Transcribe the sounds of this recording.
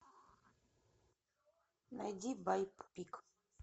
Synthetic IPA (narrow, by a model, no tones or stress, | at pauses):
na̰dibajppik